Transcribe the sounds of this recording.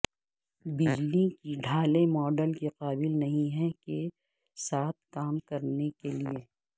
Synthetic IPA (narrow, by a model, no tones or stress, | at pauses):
bɪd͡ʒlikiɖʱaːlemɔːɖəlkiqaːbɪlnɐɦĩɦɛke | saːt̪̚ʰkaːmkɐɾnekelie